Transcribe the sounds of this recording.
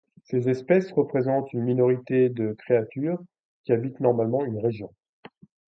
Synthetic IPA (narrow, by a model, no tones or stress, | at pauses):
sezɛspɛsʁəpχezɑ̃t̪ynminɔʁit̪ed̪əkχeat̪yːʁ | kʲiabit̪nɔʁmalmɑ̃ynʁeʒjɔ̃